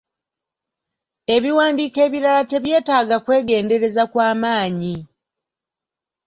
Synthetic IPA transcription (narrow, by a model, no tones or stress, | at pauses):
e̞βiwaːndiːke̞ːβiɾalate̞βje̞ːtaːɡakwe̞ːɡe̞ːnde̞ɾe̞zakwaːmaːɲi